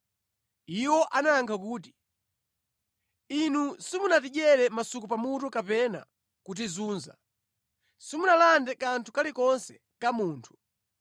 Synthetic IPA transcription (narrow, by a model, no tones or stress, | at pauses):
iwɔʔanaŋkʰakuːti̥ | inusimunatiʄɛɾɛmasukupamutukapɛna̰ | kut̬izuːnza̰ | simunalandɛkantʰukalikɔnsɛ̥ | kamuːntʰu̥